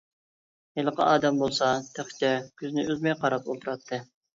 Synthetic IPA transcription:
helˠəqʰɑ̰ʔɑːd̪ɛmbolˠsɑt̪ʰæχt͡ʃ̪ʲɛkʲʰyznɪøzmɛjqʰɑɾɑpolˠt̪ʰuɾɑt̪ʰːɨ

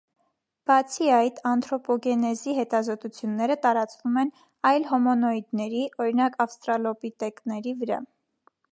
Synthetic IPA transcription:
b̥ɑt͡sʰiɑjt̪ʰɑnt̪ʰɾɔpɔɡɛnɛziɦɛt̪ɑzɔt̪ut͡sʰjunːɛɾət̪ɑɾɑt͡svumɛn | ɑjlɦɔmɔnɔid̪nɛɾiʔɔɾinɑkɑfst̪ɾɑlɔpit̪ɛknɛɾivəɾɑ̰

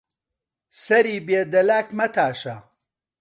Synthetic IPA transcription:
sɐɾiːbeːd̪ɐlaːkmɐt̪ʰaːʃɐ

